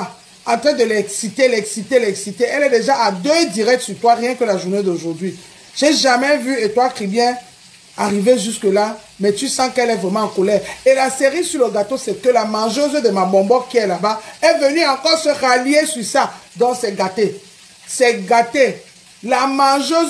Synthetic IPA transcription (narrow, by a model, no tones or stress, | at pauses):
ɑ̃t̪χɛ̃d̪əlɛksit̪elɛksit̪elɛksit̪eʔɛlɛd̪eʒaʔad̪ød̪iʁɛk̚t̪syʁt̪waʁjɛ̃kəlaʒuned̪oʒuʁd̪ɥi | ʒ̥eʒamɛvyet̪walkχibjɛ̃ | aʁiveʒyskəla | mɛt̪ysɑ̃kɛlɛvʁɛmɑ̃ːkolɛʁelaseʁisyʁləɡat̪osɛkəlamãʒøzød̪əmabɔ̃bɔkiɛlabaɛvənyɑ̃kɔʁsəʁalijesyʁsad̪ãsɛɡat̪e | sɛɡat̪e | lamãʒø